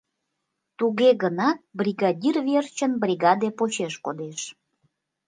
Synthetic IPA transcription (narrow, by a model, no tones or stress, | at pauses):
t̪uɣeɣənɑt̪̚briɣɑdʲirvert͡ɕənbrʲiɣɑd̪epot͡ɕeʃkod̪eʃ